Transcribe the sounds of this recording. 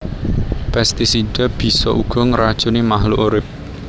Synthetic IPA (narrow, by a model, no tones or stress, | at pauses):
pɛst̪isid̥a̤b̥i̤sɔ̰ʔuɡ̥ɔ̤ŋrad̥ʒ̥ṳnimaɦluʔoɾɪp̚